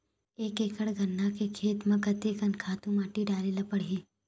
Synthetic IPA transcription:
eːkeːkəɽɡʱɐnːakekʰeːt̪mɐ̃kɐt̪ekɐnkʰaːt̪ũmaːʈiɖaːlilɐpəɽiː

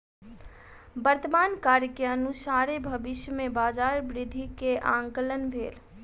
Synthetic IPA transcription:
bəɾt̪əmankaɾjkeənusaɾebʱəbiʃjəmebad͡ʒaɾbɾɪd̪ʱikeʔã̰ŋkələnbʱeːl

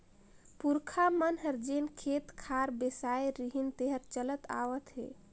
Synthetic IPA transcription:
puɾkʰamənɦəɾd͡ʒenkʰet̪kʰaɾbesajɾiɦint̪eɦəɾt͡ʃələt̪a̰ʋət̪ɦḛ

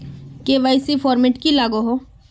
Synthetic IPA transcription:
keʋaɪsifʰɔːɾmɪʈkilaːɡoɦo

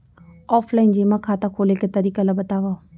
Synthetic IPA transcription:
ɔːfʰlaːind͡ʒemãkʰaːt̪akʰoːleket̪ɐɾiːkalabət̪aːʋaː

